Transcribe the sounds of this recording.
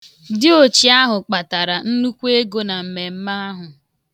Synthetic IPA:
dɪ˦o˨t͡ʃi˨a˦ɦʊ˨k͡pa˨ta˨ɾa˨n̩˦nu˦kʷe˦ɡo˦na˨m̩˨me˨m̩˦ma˦ɦʊ˨

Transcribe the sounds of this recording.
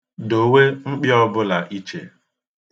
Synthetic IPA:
do˨we˦ŋ͡m̩˦k͡pjɔ˦bʊ˦la˨ʔi˦t͡ʃḛ˨

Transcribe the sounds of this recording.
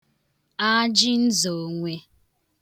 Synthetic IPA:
a˦d͡ʒɪ˦n̩˦zo˨ŋʷe˦

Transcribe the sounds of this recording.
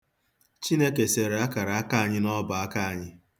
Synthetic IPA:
t͡ʃi˦ne˦ke˨se˨ɾe˨a˦ka˨ɾa˨a˦ka˦a˨ɲɪ˦nɔ˦ba˨a˦ka˦a˨ɲɪ˦

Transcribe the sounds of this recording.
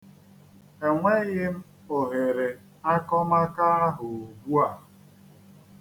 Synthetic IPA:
e˨ŋʷe˦ɣɪ˦m̩˦ | o˨ɦe˨ɾe˨ | a˦kɔ˦ma˦ka˦a˦ɦʊ˨o˨ɡu˦a˨

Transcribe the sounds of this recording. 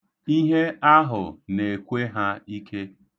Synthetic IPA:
i˦ɦe˦a˦ɦʊ˨ne˨kʷe˦ɦa˦i˦kʰe˦

